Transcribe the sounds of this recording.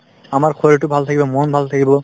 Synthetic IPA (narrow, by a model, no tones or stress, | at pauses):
amaɹkʰɔɹɔtʊbʱalt̪ʰakibɔmɔnbʱalt̪ʰakibɔ